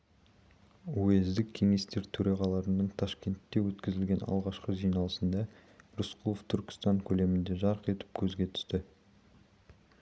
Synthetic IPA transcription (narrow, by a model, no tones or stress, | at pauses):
uezd̪ɪkʲʰːe̞ŋe̞st̪e̞ɾt̪ʰɵɾɑʁɑlˠɑɾənəɴt̪ʰaʃkʲe̞nt̪ːe̞wɵt̪kʲɪzɪlɡʲe̞nɑ̰lˠʁɑʃqəʒijnɑlˠəsənd̪ɑɾʊsqʰulˠoft̪ʰʏɾkʲɪ̥st̪ɑŋkʲʰɵle̞mɪnd̪e̞ʒɑɾəqe̞t̪ɪ̥p̚kʲʰɵzɡʲe̞t̪ʰʏ̥st̪ɪ